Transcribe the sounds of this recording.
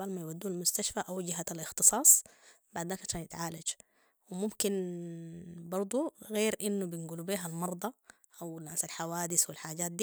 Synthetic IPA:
almajwad̪ːuːnalmʊst̪aʃfaʔawd͡ʒɪɦaalʔɪxt̪ɨsˤɑːsˤ | baʕd̪aːkʕaʃaːnjɪt̪ʕaːlad͡ʒ | wɪmumkin | bɑɾˤd̪ˤuɣeːɾʔinːubinɡuːlbiːɦalmɑɾˤd̪ˤɑ | ʔawlasalħawaːd̪ɪswilħaːɟaːt̪̚d̪iː

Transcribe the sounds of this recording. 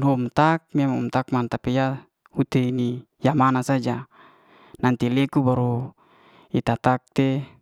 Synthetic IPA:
nomt̪ak̚miamumt̪ak̚mant̪apija | hut̪eini | jamanasad͡ʒa | nant̪ilekubaɾu | it̪at̪ak̚t̪e

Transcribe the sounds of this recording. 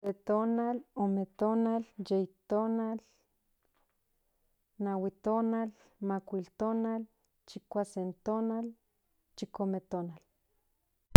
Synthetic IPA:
set̪oːnalomet̪oːnaljejt̪oːnal | nawit̪oːnal | makʷilt̪oːnal | t͡ʃikʷasent̪oːnal | t͡ʃikomet̪oːnal

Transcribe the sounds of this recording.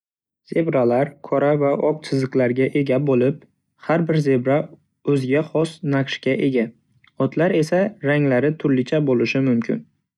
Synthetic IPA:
z̥e̞bɾalaɾkʰɒɾavaʔɒq̚t͡ʃ̪ʰɪzɨqlaɾɡʲaʔe̞ɡʲabolɪp̚ | haɾbɪɾze̞bɾa | ɵzɪɡʲaχɒsnaqʃkʲaʔe̞ɡʲa | ɒt̪ʰlaɾe̞saɾaŋlaɾɪt̪ʰʊɾlɪt͡ʃʰabolɪʃɪmʊmkʲʰɪ̰n

